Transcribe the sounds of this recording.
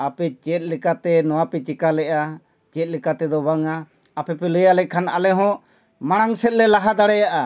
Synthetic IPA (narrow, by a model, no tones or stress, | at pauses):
apɛt͡ʃɛt̪̚lɛkat̪ɛnɔwapɛt͡ʃikalɛʔa | t͡ʃɛt̪̚ˀlɛkat̪ɛd̪ɔbaŋaː | pɛpɛlɛjalɛkʰanalɛɦɔ̃ | maɽ̃aŋsɛt̪̚lɛlaɦad̪aɽɛjaʔa